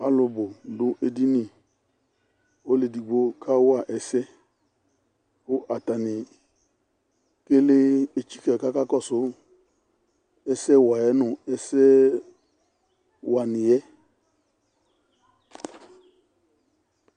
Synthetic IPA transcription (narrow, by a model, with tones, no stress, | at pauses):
a˦lʊ˧bʊ˨lʊ˨˦ʔe˨di˦ni˦˨ | o˨˦le˨di˨ɡ͡bo˦kʰa˦wʊ˦a˦˨ʔɛ˨sɛ˦ | kʊ˦ʔa˨ta˨nɪ˨ | ke˦le˦e˨t͡ʃi̥˦kɛ˨ka˦ka˦kɔ˦˨sʊ˨˦ | ɛ˦sɛ˦wa˨jɛ˨˦nʊ˨ɛ˦sɛ˦ | wa˨nɪ˨jɛ˦